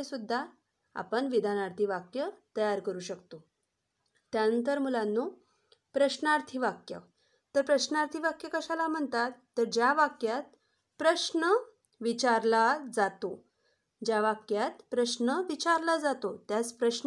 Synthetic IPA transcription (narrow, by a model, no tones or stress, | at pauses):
esud̪ʱːa | a̰pəɳʋid̪ʱanaɾt̪ʰiʋakjət̪əjaɾkəɾuːɕəkt̪o | t̪janənt̪əɾmulãnːu | pɾəɕnaɾt̪ʰiʋakjə̰ | t̪əɾpɾəɕnaɾt̪ʰiʋakjəkəɕalam̤əɳt̪at̪ːəɾd͡ʑjaʋakjat̪̚ | pɾəɕnə | ʋit͡ɕaɾlad͡zat̪o | d͡ʑjaʋakjat̪pɾəɕnəʋit͡ɕaɾlad͡zat̪ot̪jat͡spɾəɕ